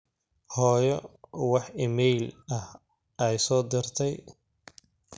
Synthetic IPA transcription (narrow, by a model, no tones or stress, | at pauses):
hɔːjɔwɑħɪmɛjlɐh | ɛjsɔːd̪ɪrt̪ʰɛj